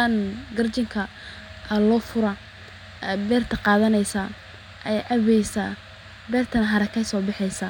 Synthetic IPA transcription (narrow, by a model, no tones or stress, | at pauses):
anɡɐrt͡ʃɪŋkʰɐ | lɔːfʊɾɐ | ɛbɛːrt̪ʰɐqɑːðɐnɛjsɐ | ʔɛʔɐβɛjsaː | bɛːrt̪ʰɐnɦɐɾɐkʰɐjsɔːbɪħɛjsɐ